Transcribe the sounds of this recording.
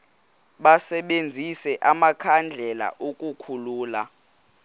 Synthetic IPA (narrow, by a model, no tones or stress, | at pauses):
ɓasɛɓend͡zʱisɛʔamakʰand͡ɮʱɛla̰ʔokʼukʰuluːla̰